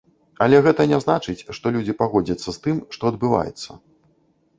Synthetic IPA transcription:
ɐlʲɛɣɛt̪ɐnʲɛznat͡ʂɨt͡sʲʂt̪ɔlʲud͡zʲipaɣɔd͡zʲɐt̪sːɐst̪ɨmʂt̪ɔɐd̪̚bɨva̰jɛ̰t̪sːɐ

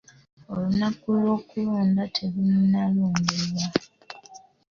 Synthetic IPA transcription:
olunakulwo̞ːkuloːndatʰe̞βununaloːndelwa

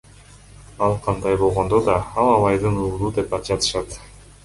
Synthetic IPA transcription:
ɑlˠqʰɑnd̪ɑjbo̞lˠʁo̞nd̪o̞d̪ɑɑlˠɑβˠɑjd̪ɯnuːlˠuːd̪e̞pɑt̪d͡ʒɑt̪ɯ̥ʃɑt̪

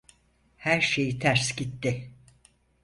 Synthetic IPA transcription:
hæɾʃejit̪ʰæɾsɟit̪ːɪ

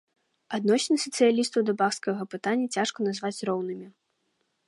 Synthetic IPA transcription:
ad̪nɔsʲnɨsʲɐt̪sɨjalʲist̪ɐwd̪ɐbaxskɐɣɐpɨt̪anʲːɐt͡sʲaʂkɐnazvat͡sʲrɔwnɨmʲi

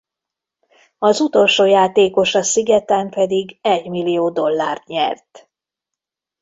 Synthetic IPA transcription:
ɒzut̪o̞lʃoːjaːt̪eːko̞ʃɒsiɡɛt̪ɛmpɛd̪iɡɛɟmilːijoːd̪o̞lːaːrt̪ɲɛ̰rt̪

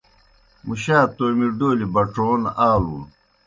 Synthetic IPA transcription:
muɕaːt̪oːmiɖoːlibɐʈ͡ʂoːnaːluːn

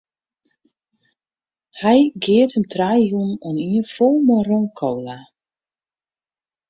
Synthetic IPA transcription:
hɛjɡɪəthəmtʰrajjunɔniənfolˠmɔroŋkʰowla

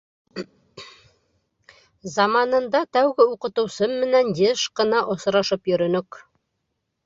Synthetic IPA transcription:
zɑmɑnɤ̆nd̪ɑt̪æwɡɘuqɤ̆t̪ɤ̆wsɤmːɘ̆nænjeʃqɤ̆nɑʔosɾɑʃɤpjɵ̆ɾɵ̆nɵk

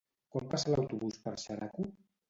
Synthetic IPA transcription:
kwampasəlawt̪uβuspəɾʃaɾaku

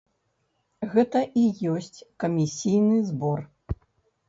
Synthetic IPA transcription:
ɣɛt̪ɐʔijɔsʲt͡sʲkɐmʲisʲijnɨzbɔr

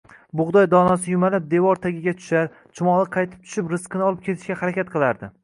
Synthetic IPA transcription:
bʊʁd̪ɒjd̪ɒnasɪjʊmalap̚d̪e̞vɒɾt̪ʰaɡʲɪɡʲat̪ʰʊ̥ʃaɾ | t͡ʃʰʊmɒlˠɨqʰɑjt̪ʰɪ̥p̚t̪ʰʊ̥ʃɪpɾɪsqɨnɪɒlˠɪp̚kʲʰe̞t̪ʰɪʃkʲahaɾakʲat̪̚qʰɨlˠaɾd̪ɪ

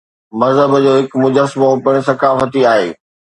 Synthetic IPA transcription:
mɐzɦəbd͡ʑoːɦɪkmʊd͡ʑəsmopɪɽ̃̆sɐkaːfət̪iaːɦḛː

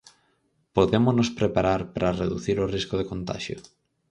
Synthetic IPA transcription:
poðemoznospɾepaɾaɾpɾʔareðuθiɾoriskoð̞ekont̪a̰ʃjo̰

